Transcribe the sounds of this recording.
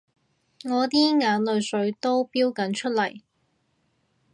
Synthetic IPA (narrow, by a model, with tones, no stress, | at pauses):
ŋɔː˨˧t̪iː˥ŋaː˨˥nlɵ˨˧ɥsɵ˨˧˥ɥt̪o˥wpiː˥wkɐ˨˥nt͡ʃʰɵ˥t̚lɐ˨˩j